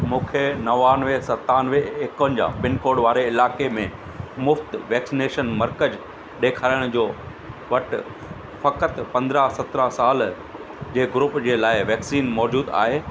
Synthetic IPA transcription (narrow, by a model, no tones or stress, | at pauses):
mũːkʰenɐʋaːnʋesɐt̪aːnʋeekʋənd͡ʑã̰ːpɪnkoːɽʋaːɾeɪlaːkemẽ | mʊft̪ʋɛːksineːʃənmɐɾkəd͡ʑ | ɗeːkʰaːɪəɽ̃d͡ʑoː | ʋɐʈ | fɐkət̪pɐ̃nd̪ɾaɦsɐt̪ɾasaːl | d͡ʑeːɡɾʊpd͡ʑeːlaːɪʋɛːksiːnmɔːd͡ʑuːd̪a̰ːɦeː